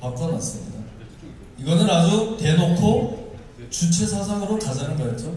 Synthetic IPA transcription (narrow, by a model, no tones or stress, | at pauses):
pak̚k͈ʌna̰s͈ɯmɲida | iɡʌnɯɾnad͡ʑute̞nokʰo | t͡ɕut͡ɕʰe̞sʰas̬ʰaŋɯɾokad͡ʑanɯnɡʌjet͡ɕ͈o